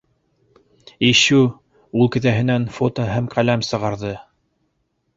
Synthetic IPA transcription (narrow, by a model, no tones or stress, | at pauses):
iʃʉ | ulˠkɘ̆ðæɦɘ̆nænfot̪oɦæmqælæmsɤ̆ʁɑɾðɤ